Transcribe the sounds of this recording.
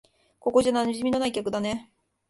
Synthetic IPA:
ko̞ko̞ʑananʑimino̞naikʲakɯ̟d̪ane̞

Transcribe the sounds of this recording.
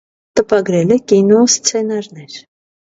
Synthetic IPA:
t̪əpɑɡɾɛlɛkinɔst͡sʰɛnɑɾnɛɾ

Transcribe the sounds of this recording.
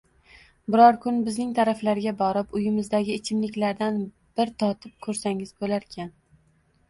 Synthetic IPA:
bɪɾɒɾkʰʊnbɪznɪŋt̪ʰaɾaflaɾɡʲabɒɾɪpʊjɪmɪzd̪aɡʲɪːt͡ʃʰɪmlɪkʲlaɾd̪an | b̥ɪɾt̪ʰɒt̪ʰɪp̚kʰɵɾsaŋɪzbolaɾkʲʰan

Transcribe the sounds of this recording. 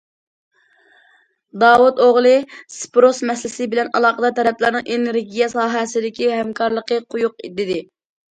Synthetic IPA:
d̪ɑːwut̪oʁlˠɨspɾosmɛslɪsɪbɪlɛnɑlˠɑːqəd̪ɑt̪ʰɛɾɛplˠɪɾnɨ̃ŋʔeneɾɡʲijɛsɑːɦɛsɪd̪ɪkʲiɦɛmkʰɑɾlˠəqəqʰʊjuqid̪ɪd̪ɪ

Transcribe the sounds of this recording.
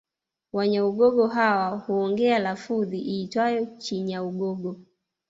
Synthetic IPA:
waɲauɡɔɡɔɦawahuɔŋɡɛalafuðiʔiːtwajɔt͡ʃiɲauɡɔɡɔ

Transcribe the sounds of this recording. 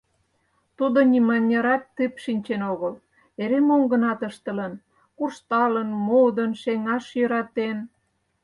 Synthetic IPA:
t̪ud̪onʲimɑnʲːəɾɑt̪ːɨpʃinʲt͡ɕenoɣəl | eɾemoŋɡə̆nɑt̪əʃt̪ə̆lən | kurʃt̪ɑlənmod̪ənʃeŋɑʃjøɾɑt̪en

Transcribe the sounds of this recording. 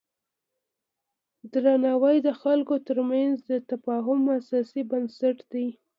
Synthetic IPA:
d̪ɾanawəjd̪əxalkot̪əɾmanzd̪ət̪afɑɦʊmasɑsibənsaʈd̪aj

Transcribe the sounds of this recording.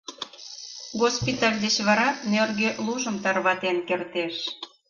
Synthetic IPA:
ɣospit̪ɑlʲd̪et͡ɕβɑɾɑnørɣøluʒəmt̪ɑrβɑt̪enkert̪eʃ

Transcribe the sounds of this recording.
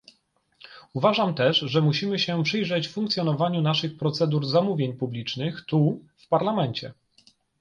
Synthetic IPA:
uvaʐamt̪ɛʂʐɛmuɕimɘɕɛpʂɘjʐɛt͡ɕffuŋkt̪sjɔnɔvaɲunaʂɘxpɾɔt̪sɛd̪uɾzamuvʲjeɲpublʲit͡ʂnɘxt̪u | fpaɾlamɛnt͡ɕɛ

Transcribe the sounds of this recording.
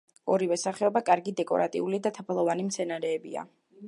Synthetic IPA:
ɔɾivɛsaχɛɔbakʼaɾɡid̪ɛkʼɔ̰ɾat̪ʼḭulid̪at̪ʰapʰlˠɔvanimt̪sʰɛnaɾɛːbia̰

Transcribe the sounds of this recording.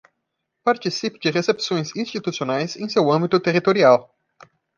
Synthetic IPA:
paɾt͡ʃisipɪd͡ʒɪʁesepsõj̃zĩst͡ʃit̪usionajzẽj̃sewɐ̃mbit̪ʊt̪eʁit̪oɾiaw

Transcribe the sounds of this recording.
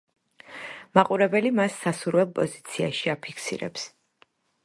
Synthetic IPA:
maqʼuɾɛbɛlimasːasuɾwɛlˠpʼɔzit̪sʰiaʃiapʰikʰsḭɾɛ̰ps

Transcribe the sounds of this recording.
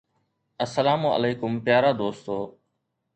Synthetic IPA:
əsəlaːmoə̰leːkʊmpɪjaːɾaːd̪oːst̪oː

